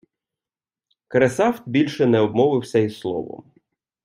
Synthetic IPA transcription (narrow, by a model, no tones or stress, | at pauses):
kɾesɑwt̪bʲilʲʃɛnɛɔb̚mɔʋɪwsʲɐisslˠɔ̰ʋɔ̰m